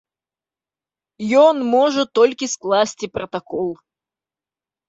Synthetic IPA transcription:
jonmoʐɨt̪ːolʲkʲəsklˠasʲtʲɪpɾɐt̪ɐkolˠ

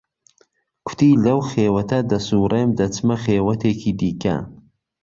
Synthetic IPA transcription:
kʰʊ̥t̪ʰiːlɐwxeːwɐt̪ʰɐd̪ɐsuːɾemd̪ɐt͡sʰɨmɐχeːwɐt̪ʰeːkʰiːd̪iːkʰɐ̰

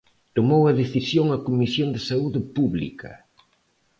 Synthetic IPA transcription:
t̪omowɐðeθisjoŋɐkomisjond̪ɪsauðɪpuβlḭkɐ̰

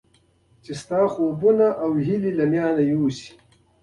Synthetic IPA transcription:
t͡ʃist̪aːxoːbunaʔawɦililɐmjaːnɐjuːsi̥

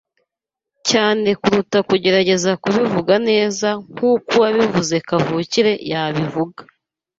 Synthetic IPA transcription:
caːne̞kuɾutakuɟe̞ɾaɟe̞zakuβivuɡane̞ːzaŋ̥huːkuwaβivuze̞kavuciɾe̞jaβivuɡḁ

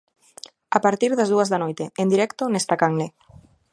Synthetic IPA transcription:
apaɾt̪iɾðazðuazðanojt̪eend̪iɾɛkt̪onest̪akaŋle

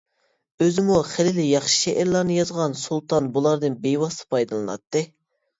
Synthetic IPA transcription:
øzɪmuχɪlɪlɪjɑχʃi̥ʃɛʔæɾlˠɑɾnɨjɑzʁɑnsulˠt̪ɑnbulˠɑɾd̪ɨnbejwɑst̪ɨ̥pʰɑjd̪ɨlˠɨnɑ̰t̪ːɨ

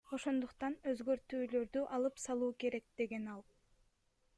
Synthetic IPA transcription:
o̞ʃo̞nd̪uqt̪ɑnøzɡø̞ɾt̪yːlø̞ɾd̪yʔɑlˠɯpsɑlˠuːke̞ɾe̞k̚d̪̥e̞ɡe̞nɑlˠ

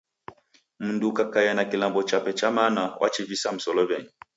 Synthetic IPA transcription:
m̩ndukakajanakilambɔt͡ʃapɛt͡ʃamanawʔa̰t͡ʃivisam̩sɔlɔβɛɲi

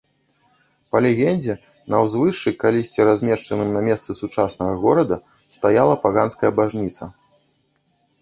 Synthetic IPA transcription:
pɐlʲɛɣʲɛnʲd͡zʲɛ | nɐwzvɨʂt͡ʂːɨkalʲisʲt͡sʲɛɾazʲmʲɛʂt͡ʂɐnɨmnɐmʲɛst̪sɨsut͡ʂasnɐɣɐɣɔɾɐd̪ɐ | st̪ajalˠɐpaɣanskɐjɐbaʐnʲit̪sɐ

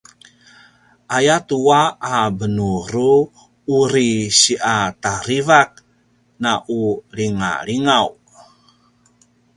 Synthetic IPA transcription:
ʔajat̪uaabənuɾuː | ɾiɕiʔat̪aɾivak̚ | naʔuliŋa̰liŋaw

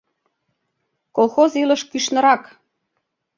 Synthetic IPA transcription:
kolxozilə̆ʃkyʃnə̆ɾɑk

